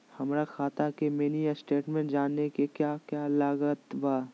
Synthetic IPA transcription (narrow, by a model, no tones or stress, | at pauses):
hɐmɾakʰaːt̪akemeːniasʈeːʈmẽːɳʈd͡ʒaːnːekekjaːkjaːlaːɡət̪baː